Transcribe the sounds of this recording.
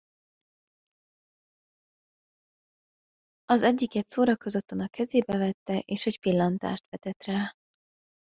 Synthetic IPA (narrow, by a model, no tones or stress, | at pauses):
ɒzɛɟːikɛt̪soːɾɒkøzø̞t̪ːønɒkɛzeːbɛvɛt̪ːɛʔeːʃecpilːɒnt̪a̰ːʃt̪ʋɛt̪ɛt̪raː